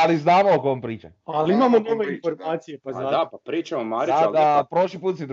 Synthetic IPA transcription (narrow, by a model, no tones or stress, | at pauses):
aliznaːmookoompɾiːt͡ʃealiimamonoʋeinfoɾmaːt̪sijepazad̪aapɾiːt͡ʃamomaɾad̪apɾoʃlipuːt̪sed̪